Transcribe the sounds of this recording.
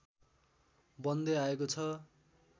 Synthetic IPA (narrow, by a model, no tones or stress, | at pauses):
bʌnd̪eaekot͡sʰʌ